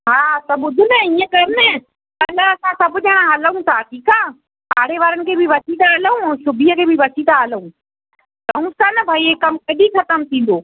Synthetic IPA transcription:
ɦaːt̪ɐɓʊd̪ʱʊnɛiːə̃kɐjʊmnɛ | ɐlaɐsãsɐbʊʄəɽ̃ãɦɐləɦũsaʈiːkaː | a̰ːɽeʋaːɾənɪ̆kʰeːbʱɪʋɐsʰit̪aɦɐləũʃʊbijəkʰeːbʱɪʋɐsit̪aɦələũː | ɾɐɦũsanɐbʱaːiekɐmkɐɗixɐt̪əmt̪ʰĩːnd̪oː

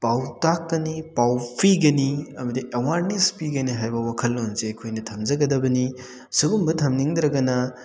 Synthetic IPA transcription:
pawtakːɐnipawpiɡɐniɐmɐdiʔewaɾnespiɡɐniɦajbɐwakʰɐlːonzekʰojnɐtʰɐmd͡ʒɐɡɐdɐbɐni | suɡumbɐtʰɐmniŋd̪ɾɐɡɐnɐ

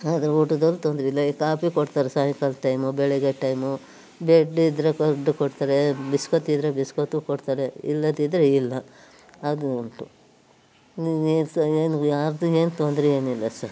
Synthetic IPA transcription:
ad̪ɐɾɐuʈud̪ɐlːut̪ond̪ɾeilːɐikaːpikoɖt̪aːɾesaːjikɐlʈɐjmubɛɭeɡeʈɐjmu | beɖid̪ɾekoɖːukoɖt̪aːɾebiskot̪id̪ɾebiskot̪ukoɖt̪aːɾeḭlːɐd̪id̪ɾeilːɐː | d̪uuɳʈu | eːsɐeːnujaːɾd̪ue̞ːnt̪ond̪ɾee̞ːnilːɐsɐɾ

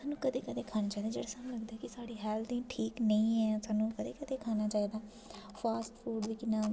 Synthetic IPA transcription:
saːnũːkəd̪eːkəd̪eːkʰaːnaːt͡ʃaːiːd̪aːd͡ʒḛːɽaːsaːnũːləɡd̪aɛkɪsaːɽiːɦɛːld̪ĩːʈʰiːknəĩːɛːsaːnũːkəd̪eːkəd̪eːkʰaːnaːt͡ʃaːiːd̪aː | pʰaːsʈfʰuːɖʋiːkɪnaː

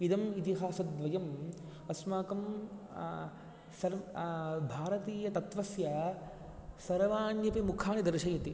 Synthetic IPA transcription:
id̪ɐmit̪iɦaːsɐd̪ʋɐjɐm | ɐsmaːkɐm | sɐɾ | bʱaːɾɐt̪iːjɐt̪ɐt̪ʋɐsjɐ | sɐɾʋaːnjɐpimukʰaːnid̪ɐɾʃɐjɐt̪i

